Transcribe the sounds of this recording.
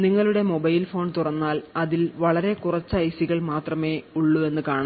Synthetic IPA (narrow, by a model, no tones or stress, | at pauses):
niŋːɐɭuɽe̞mo̞bɐjlfo̞ːɳt̪urɐnːaːlɐðilʋɐɭɐɾe̞kurɐt͡ɕːɐɐjsiɣɐɭmaːt̪rɐme̞ːuɭːue̞nːɨkaːɳɐ